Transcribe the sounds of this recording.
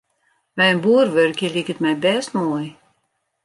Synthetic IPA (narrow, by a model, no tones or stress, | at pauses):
ʋɛjənbuərʋørkjəlikətmɛjbɛstmuəj